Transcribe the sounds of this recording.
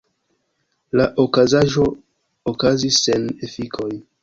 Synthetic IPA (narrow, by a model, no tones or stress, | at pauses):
laʔokazaʒo̞ | okazisːe̞ne̞fikʰo̞j